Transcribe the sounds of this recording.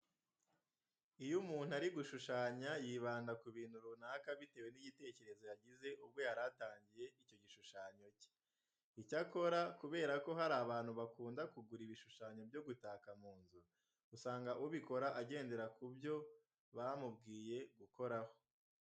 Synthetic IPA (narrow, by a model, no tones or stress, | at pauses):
ijumuːn̥huaɾiɡuʃuʃaːɲajiːβaːndakuβiːn̥huɾunaːkaβite̞ːwe̞niɟite̞ce̞ɾe̞zo̞jaɟize̞ʔub̚ɡwo̞jaɾataːɲɟije̞ico̞ɟiʃuʃaːɲo̞ci̥ | icako̞ɾakuβe̞ːɾako̞ɦaɾaːβaːn̥huβakuːndakuɡuɾiβiʃuʃaːɲo̞bjo̞ɡutaːkamuːnzu | usaːŋɡaʔuβiko̞ɾaʔaɟe̞ːnde̞ɾakubjo̞ | βamubɡiːje̞ɡuko̞ɾaho̞